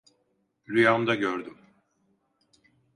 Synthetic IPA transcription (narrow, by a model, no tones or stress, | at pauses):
ɾyjand̪aɟøɾd̪ym